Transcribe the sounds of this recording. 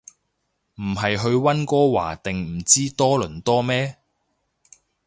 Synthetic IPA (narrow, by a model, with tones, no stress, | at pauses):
m̩˨˩ɦɐ˨jɦɵ˧ɥwɐ˥nkɔː˥wa̰ː˨˩t̪ɪ˨ŋm̩˨˩t͡siː˥t̪ɔː˥lɵ˨˩nt̪ɔː˥mɛː˥